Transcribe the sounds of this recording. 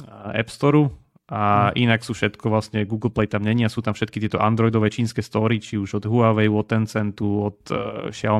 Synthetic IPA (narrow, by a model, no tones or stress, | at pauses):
ɛ̰pst̪ɔɾu | ʔaʔinaksuːfʃɛt̪kʰɔʋlasɲɛɡuːɡl̩ˠplɛjt̪amɲɛɲiasuːt̪amfʃɛt̪kit̪ɪɛt̪ɔʔand̪ɾɔjd̪ɔʋɛːt͡ʃiːnskɛːst̪ɔɾit͡ʃiuʒɔd̪ɦuaʋɛjʋɔt̪ɛnt͡sɛnt̪uɔt̪ʃɪa